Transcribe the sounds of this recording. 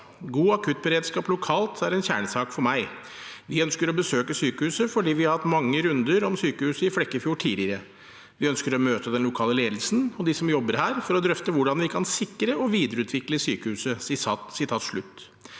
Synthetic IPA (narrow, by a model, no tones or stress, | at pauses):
ɡuːɑkʰʉt̪̚ːbəɾeːd̪ʂkɑːplʊkʰɑːlt̪ʰæɾɛnçæ̰ːɳəsɑːkfɔɾmæɪ | ʋɪœnskəɾɔbəsøːkəsyːkəhʉːsəfɔɖiːʋɪhɑɾhɑt̪ːmɑŋːəɾʉnd̪əɾɔmsyːkəhʉːsəɪflɛkːəfjuːʈʰiːd̪ɪəɾə | ʋɪœnskəɾɔmøːt̪əd̪ɛnlʊkʰɑːləleːd̪lsn̩ɔd̪ɪsɔmjɔbːəɾhæːɾfɔɾɔd̪ɾœft̪əʋʊɖɑnʋɪkʰɑnsɪkːɾəɔʋiːd̪əɾəʉːt̪ʰʋɪkləsyːkəhʉːsəsɪɑːt̪sɪt̪ʰɑːt̪ʂɭʉt̪ː